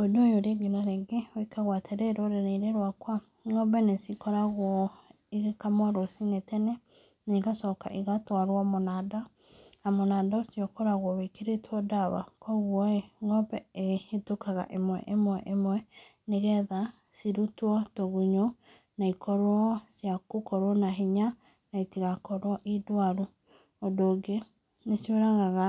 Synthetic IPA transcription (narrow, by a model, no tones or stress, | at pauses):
edojoɾeɡenaɾɛɡewekaɣwatʰeɾɛɾoɾeneiɾeɾwakwa | ŋɔbɛnesikɔɾaɣwɔ | iɣekamwaɾosinetɛnɛ | naiɣasɔka̰ʔiɣatwaɾwamonaːda | amonaːdasjɔkɔɾaɣwɔwekeɾetʰwɔdaβa̰kɔɣwɔŋɔpɛehetukaɣa̰ʔemwɛ̰ʔemwɛʔemwɛneɣɛða | siɾutwɔtoɣuɲo | naikɔɾwɔsjakukɔɾwɔnaɦiɲa | naitiɣakɔɾwɔʔidwaɾu | odoːɡe | nesjeɾaɣaɣa